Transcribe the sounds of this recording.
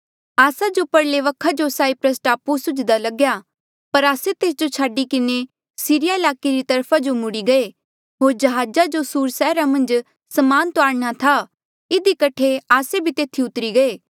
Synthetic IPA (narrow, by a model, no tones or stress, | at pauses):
aːsad͡ʒopɐɽleʋɐkʰːad͡ʒosaːipɾəs̬ʈaːpusʊd͡ʒd̪alɐɡja | pɐɾaːset̪eːs̬d͡ʒot͡ʃʰaːɖikɪne | siːɾɪjaɪlaːkeɾit̪ɐɾpʰad͡ʒomʊɽiɡɐe | ɦoːɾd͡ʒɐɦaːd͡ʒad͡ʒosuːɾsɛːɾamɐ̃nd͡ʒ | sɐmaːnt̪oaːɽñat̪ʰa | ɪd̪ikɐʈʰeaːsebʱit̪eːt̪ʰiʊt̪ɾiɡɐeː